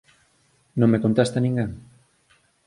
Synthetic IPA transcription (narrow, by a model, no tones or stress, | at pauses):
nõŋmekont̪ast̪anĩŋɡaŋ